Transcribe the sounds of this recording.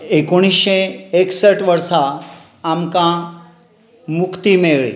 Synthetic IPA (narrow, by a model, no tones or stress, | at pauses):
ekoɽ̃iseeksəʈʋəɾsaː | mkã | mukʰt̪imeɭḭ